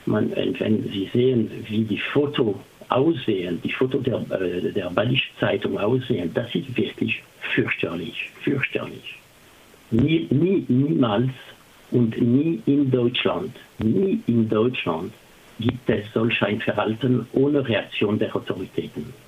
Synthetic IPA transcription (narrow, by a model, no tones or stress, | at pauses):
ma̰nvɛ̰nvɛ̰nziːzeːənviːdiːfoːtʰo | ʔa̰ʊsz̥eːənd̥iːfoːtodedeːʁbadiʃt͡saɪtʊŋaʊsz̥eːənd̥asɪstv̥ɪʁklɪç | fʏɐçtʰəlɪçfyʁçtʰə̰lɪ̰ç | niːniːniːmaːls | ʔʊntniːɪndɔʏt͡ʃla̰ntniːɪndɔʏt͡ʃlã̰nt | ɡ̥iːp̚tɛsz̥ɔlçaɪnfɛʁhaltənʔoːnəʁeak̚t͡sjoːndeʁaʊtʰoʁitʰɛːtn̩